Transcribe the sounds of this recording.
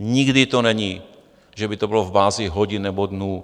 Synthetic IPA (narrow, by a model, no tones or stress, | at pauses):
ɲiɡdit̪onɛɲiː | ʒɛbit̪obilovbaːziɦoɟinːnɛbod̪nuː